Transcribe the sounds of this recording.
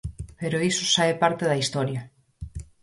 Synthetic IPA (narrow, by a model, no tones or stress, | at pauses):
peɾoisosaepaɾt̪eðɐist̪ɔɾjɐ